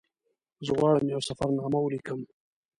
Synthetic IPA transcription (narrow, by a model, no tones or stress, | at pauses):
zəɣwɑɽəmjawsafaɾnɑːmawəlikəm